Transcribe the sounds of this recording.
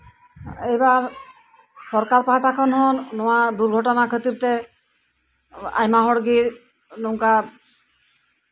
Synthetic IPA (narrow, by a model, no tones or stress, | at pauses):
ejbaɾ | sɔɾkaɾpaɦaʈakʰɔnɦɔnːɔwad̪uɾɡʱɔʈɔnakʰət̪iɾt̪ɛ | a̰jmaɦɔɽɡi | nɔwka